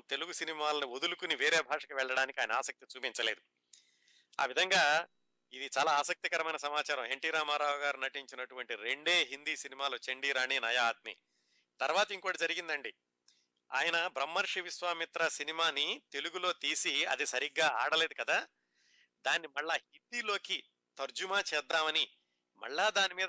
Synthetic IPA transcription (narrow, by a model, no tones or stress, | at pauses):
t̪e̞luɡusinimaːlɐniod̪ulukuniʋeːɾeːbʱaːʂɐkɐʋɛɭːɐɽaːnikiaːjɐnɐaːsɐk̚t̪it͡ʃuːpiɲt͡ʃɐle̞ːd̪u | a̰ːʋid̪ʱɐŋɡaː | id̪it͡ʃaːlaːaːsɐk̚t̪ikɐɾɐmɐjnɐsɐmaːt͡ʃaːɾɐ̃mɦeɳʈiːɾaːmaːɾaːʋɐɡaːɾunɐʈiɲt͡ʃinɐʈuʋɐɳʈiɾeɳɖeːɦind̪iːsinimaːloːt͡ʃeɳɖiːɾaːɳiːnɐjaːt̪̚mḭ | t̪ɐɾʋaːt̪ɐiŋkuːɽad͡ʒɐɾiɡind̪ɐɳɖi | a̰ːjɐnɐbɾɐmːɐɾʂiʋisʋaːmit̪ɾasinimaːnit̪e̞luɡulo̞ːt̪iːsiɐ̰d̪isɐɾiɡːaːaːɽɐle̞ːd̪ukɐd̪aː | d̪aːnːimɐɭːaːhind̪iːlo̞ːki | t̪ɐɾd͡ʒumaːt͡ʃɛːd̪ːaːmɐni | mɐ̰ɭːaːd̪aːnimiːd̪